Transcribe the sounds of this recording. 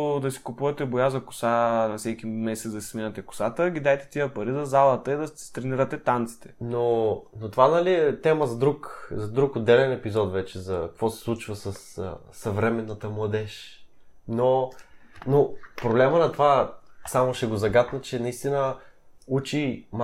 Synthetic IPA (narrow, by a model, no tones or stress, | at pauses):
d̪ɐsi̥kʊpuvɐt̪ɛbojazɐkʊ̥sanɐsɛk̟imɛsɛt̪d̪ɐsi̥sminɐt̪ɛkʊ̥sat̪əɡʲid̪ajt̪ɛ̥t̪ijəpɐɾizɐzalˠət̪əid̪ɐt̪ɾɛniɾət̪ɛt̪ant̪si̥t̪ʰɛ̥nonot̪ovanɐliɛt̪ɛməzɐd̪ɾukzɐd̪ɾukod̪ɛlɛnɛpizɔt̪vɛt͡ʃɛzɐkkvɔsɛ̥slˠut͡ʃvəsəsː | ɐvɾɛmɛnːət̪əmlˠɐd̪ɛʃ | no | nopɾoblɛmənɐt̪ovasamoʃɛɡozɐɡat̪nət͡ʃɛnɐist̪inəut͡ʃim